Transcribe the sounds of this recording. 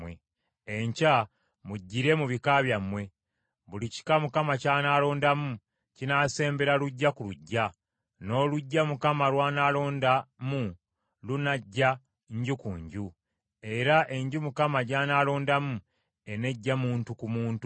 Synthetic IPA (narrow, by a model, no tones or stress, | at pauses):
we | eɲca | muɟːiɾe̞muβikaβjamwe̞ | βulici̥kamukamacaːnaːlo̞ːndamu | cinaːse̞ːmbe̞ɾaluɟːakuluɟːa | no̞ːluɟːamukamalwaːnalo̞ːndamu | lunaɟːa | ɲɟukṵːɲɟu | e̞ɾaʔe̞ɲɟumukamaɟaːnaːlo̞ːndamu | e̞ne̞ɟːamuːntukumuːntu